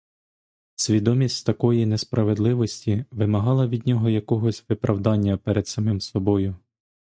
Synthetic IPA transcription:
sʲʋʲid̪ɔmʲisʲtʲt̪ɐkɔjinespɾʔɐʋe̞d̪lˠɪʋɔsʲtʲiʋɪmɐɦɑlˠɐʋʲid̪ʲnʲɔɦɔjɐkɔɦɔsʲʋɪpɾʔɐwd̪ɑnʲːɐpɛɾed̪̥sɐmɪmsɔbɔjʊ

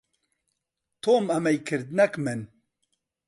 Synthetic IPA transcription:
t̪ʰoːmɐmɛjkʰɨɾd̪nɛkmɨn

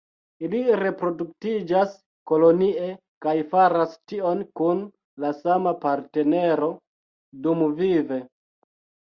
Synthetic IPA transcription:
iliɾe̞pɾo̞duk̚tid͡ʒas | ko̞lo̞nie̞ | kajfaɾastio̞nkun | lasamapaɾte̞ne̞ɾo̞ | dumvive̞

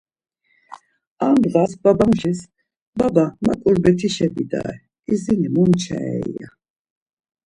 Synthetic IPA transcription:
amd̪ʁasbabamʃis | babamakʼulbɛt̪ʰiʃɛbid̪a̰ɛ | izinimɔmt͡ʃʰɛ̰ɛija̰

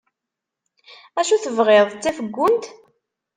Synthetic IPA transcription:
æʃuθəvʁeðˤt͡sːæfəɡʷːʊnt̪

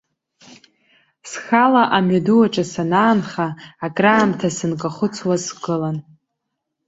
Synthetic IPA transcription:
sxalaʔamɥaduwaʈ͡ʂʼasanaːnχaːkʼraːmtʰasɨnkʼaχʊt͡sʰwasɡʼɨlan

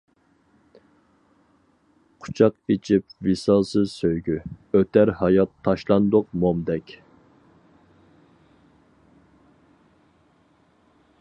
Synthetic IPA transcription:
qʰʊ̥t͡ʃʰɑqit͡ʃʰipvisɑlˠsɨzsøjɡʲyøt̪æɾhɑjɑt̪ʰːɑʃlˠɑnd̪ʊq̚momd̪ɛkʲ

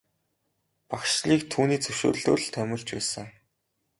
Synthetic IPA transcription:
pakʃɮiːk̚t̪ʰuːniːt͡sʰɵwʃo̰ːrɮo̰ːr̆ɮt̪ʰœmʲɪ̆ɮt͡ɕpæːsə̆ŋ

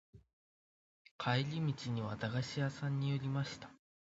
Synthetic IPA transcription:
kʰaeɾʲimʲit͡ɕiɲ̟iβad̪aɡaɕiasãɲ̟ːijo̞ɾʲimaɕi̥t̪ḁ

